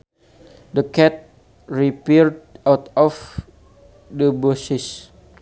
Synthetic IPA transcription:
dəkɛt̪̚ | ɹipiɹdawt̪ɔf | dəbusis

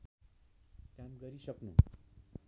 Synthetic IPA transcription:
kamɡʌɾisʌknṵ

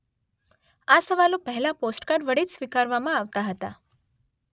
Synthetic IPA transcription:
asəʋalopəɦɛlaposʈkaɖʋəɽiːt͡ɕsʋikaɾʋamãaʋt̪aɦət̪a̰

